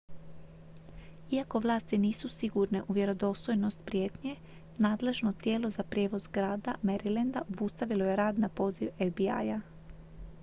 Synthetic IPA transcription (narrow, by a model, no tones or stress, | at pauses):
iako̞ʋlˠaːst̪iniːsusiɡuɾne̞ʔuʋje̞ɾo̞d̪o̞st̪o̞jno̞st̪pɾje̞ːt̪ɲe̞ | naːd̪le̞ʒno̞t̪je̞ːlo̞zapɾje̞ːʋo̞zɡɾaːd̪ameɾilend̪aʔobust̪aʋiloje̞ɾaːd̪napo̞ːziʋevbia̰ja